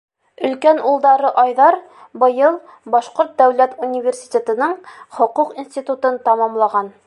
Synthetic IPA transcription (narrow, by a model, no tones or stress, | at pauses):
ɵ̆lkænulˠd̪ɑɾɤʔɒjðɑɾ | bɤ̆jɤlˠ | bɒʃqoɾt̪̚d̪æwlæt̪unʲivʲersʲi̥t̪ʲet̪ɤ̆nɤɴχŏquqinsʲt̪ʲit̪ut̪ɤnt̪ɒmɑmlˠɑʁɑn